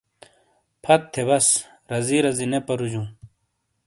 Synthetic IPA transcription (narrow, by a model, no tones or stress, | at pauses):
pʰɐt̪ʰːebɐs | ɾɐziɾɐzinepɐɾud͡ʑũː